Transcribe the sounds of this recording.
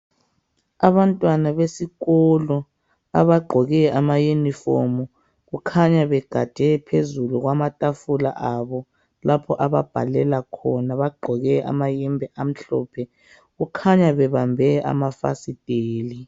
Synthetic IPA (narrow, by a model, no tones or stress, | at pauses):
aβantʼwanaβesiɣɔlɔ | a̰βaɡ͡ǃʱɔɣɛamajunifomu | ɣukʰaɲaβɛɡ̥ʱḁd̥ʱɛpʰezuluɣwamatʼafula̰ʔaβɔ | lapʰɔʔaβa̰b̥ʱa̰lɛlakʰɔnaβaɡ͡ǃʱɔɣɛʔa̰majɛmbʱɛʔam̩ɬɔ̰ːpʰɛ | ɣukʰaɲaβɛβambʱɛʔa̰mafa̰sid̥ʱeːli